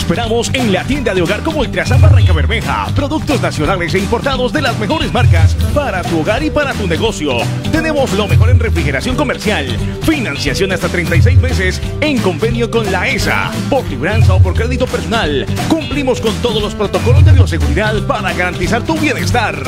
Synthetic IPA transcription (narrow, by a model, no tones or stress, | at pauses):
espeɾamo̞se̞nlat̪jend̪aðeo̞ɣaɾko̞moelt̪ɾasambaraŋkaβe̞ɾme̞xa̰pɾo̞ðuk̚t̪o̞znasjo̞nale̞se̞impo̞ɾt̪aðo̞zðe̞lazme̞xo̞ɾe̞zmaɾkaspaɾat̪uoɣaɾipaɾat̪une̞ɣo̞sjo | t̪e̞ne̞mo̞slo̞me̞xo̞ɾenrefɾixe̞ɾasjo̞ŋko̞meɾsjal | finansjasjo̞nast̪at̪ɾejnt̪ajs̬ejz̬me̞ses | e̞ŋko̞mbe̞njo̞ko̞nlaesa̰po̞ɾliβɾansaopo̞ɾkɾe̞ðit̪o̞peɾso̞nalkumplimo̞sko̞nt̪oð̞ozlo̞spɾo̞t̪o̞ko̞lo̞zd̪eβjos̬e̞ɣuɾiðaðpaɾaɣaɾant̪isaɾt̪uβje̞ne̞st̪aɾ